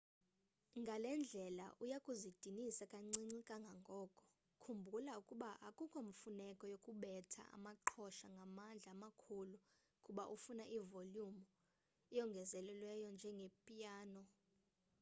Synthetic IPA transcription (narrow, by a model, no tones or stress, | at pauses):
ŋɡʱalɛnd͡ɮʱɛla̰ʔujakʼuzid̥ʱinisakʼaŋ͡ǀiŋ͡ǀikʼaŋɡʱaŋɡʱɔːkʼɔ̥ | kʰumbʱulaukʼuɓaʔakʼukʼoɱfunɛkʼɔjokʼuɓɛtʰa̰a̰maǃʰɔʃaŋɡʱamand͡ɮʱaːmakʰulu | kʼuɓaʔufunaʔivoljumu | ɛjɔŋɡʱɛzɛlɛlwɛjɔnd͡ʒʱɛŋɡʱepʼijaːnɔ